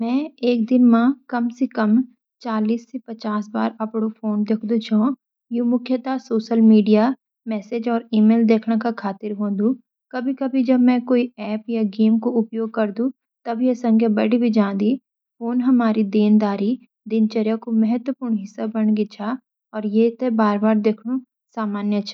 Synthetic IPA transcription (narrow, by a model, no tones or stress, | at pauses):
mɛ̃ːeːk̚d̪ɪnmãkɐmsekɐm | t͡ʃaːliːsːepɐt͡ʃaːsba̰ːɾɐpɽ̃ofʰoːnd̪ekʰd̪ũt͡ʃʰõː | juːmʊkʰjət̪asoːʃəlmiːɖija | mɛːsed͡ʒɔːɾiːmeːld̪eːkʰnakakʰaːt̪ɪɾɦõːd̪ũ | kɐbʱikɐbʱid͡ʒɐbmɛ̃koːiɛːpjaɡeːmkoʊpjoːɡ̚kɐɾd̪ũ | t̪ɐbʱjesɐ̃ŋkʰjabɐɽibʱid͡ʒãːd̪i | foːnɦɐmaːɾid̪eːnd̪aːɾi | d̪ɪnt͡ʃəɾjakomɛɦət̪wəpuːɾɳɦɪsːabɐɳɡɪt͡ʃʰa | ɔːɾjet̪ebaːɾbaːɾd̪eːkʰɽũ | saːmaːnjət͡ʃʰː